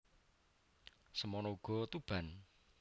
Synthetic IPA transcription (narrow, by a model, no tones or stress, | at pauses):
səmɔnɔuɡ̥ɔ̤t̪ub̥a̤n